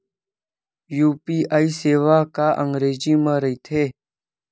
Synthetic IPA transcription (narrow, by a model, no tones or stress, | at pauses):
juːpiːʔaːiːseːʋaːkaːʔə̃ŋɡɾeːd͡ʒiːmãɾəiːt̪ʰeː